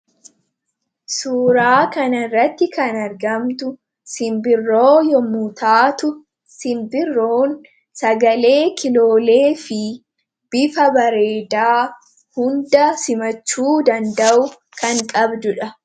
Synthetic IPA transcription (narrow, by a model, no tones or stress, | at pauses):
suːɾaːkɐnɐrːɐt̪ːɪkɐnɐɾɡɐmt̪ʊ | sɪmbɪrːo̞ːjɔmuːt̪aːt̪ʊ | sɪmbɪrːoːn | sɐɡɐle̞ːkɪlo̞ːle̞ːfɪ | b̥ɪfɐbɐɾeːd̪aː | hʊnd̪ɐsɪmɐt͡ʃːuːd̪ɐnd̪ɐʔʊ | kɐŋkʼɐbd̪ʊᶑɐ